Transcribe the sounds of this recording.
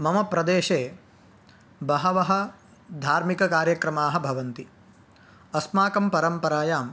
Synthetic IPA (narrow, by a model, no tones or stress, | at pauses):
mɐmɐpɾɐd̪eːʃeː | bɐɦɐʋɐɦɐ | d̪ʱaːɾmikɐkaːɾjɐkɾɐmaːɦɐbʱɐʋɐnt̪i | ɐsmaːkɐmpɐɾɐmpɐɾaːjaːm